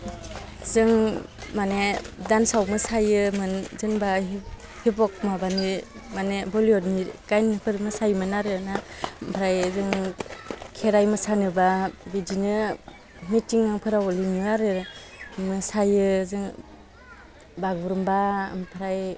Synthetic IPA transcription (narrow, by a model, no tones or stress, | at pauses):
zɯŋmanedansawmɯsajɯmɯnzɯŋba | hibɔk̚mabani | manebɔliɔɾnikajnpʰɯɾmɯsajmɯnaɾɯnampʰɾajzɯŋ | kʰeɾajmɯsanɯbabidinɯ | mitiŋɯŋpʰɯɾawɔlinɯaɾɯ | mɯsajɯzɯŋ | baɡɯɾɯmba̰mpʰɯɾaj